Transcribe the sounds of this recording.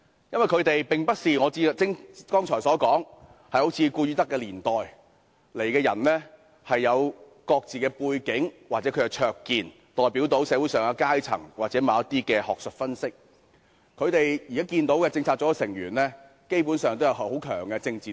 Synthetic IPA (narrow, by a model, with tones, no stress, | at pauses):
jɐ˥nwɐ˨˩jkʰɵ˨˧ɥt̪e˨jpɪ˨ŋpɐ˥t̚siː˨˩ŋɔː˨˧t͡siː˧˨t͡sɪ˥ŋkɔː˥ŋt͡ʃʰɔː˨˩jsɔː˨˥kɔː˨˥ŋ | hɐ˨jho˨˥wt͡sʰiː˧kuː˧ɥyː˨˥t̪ɐ˥kːɛː˧liː˨˩nt̪ɔː˨j | le˨˩jkɛː˧jɐ˨˩nlɛ˥ | hɐ˨jːɐ˨˧w | kɔː˧k̚t͡siː˨kɛː˧puː˧jkɪ˨˥ŋwaː˨t̚t͡sɛː˨˥kʰɵ˨˧kɛ˧t͡ʃʰœː˧kːiː˨n | t̪ɔː˨jpiː˨˥wt̪o˨˥wsɛː˨˧wu˨˥jsœː˨ŋa˧kaː˥jt͡sʰɐ̰˨˩ŋwaː˨t͡sɛː˨˥mɐ˨˧˦ɐ˥t̪iː˥kɛː˧hɔː˨k̚sɵ˨t̚fɐ˥nsɪ˥k̚ | kʰɵ˨˧ɥt̪e˨jji˨kaː˨˥kiː˧nt̪o˨˥wkɛː˧t͡sɪ˧ŋt͡sʰaː˧k̚t͡sɔː˨˥˧sɪ˨˩ŋjy̰ː˨˩nlɛː˥ | ke˥jpu˨˥nsœː˨ŋt̪o˥wjɐ˧whwho˨˥kʰœ̰ː˨˩ŋkɛː˧t͡sɪ˧ŋt͡siː˨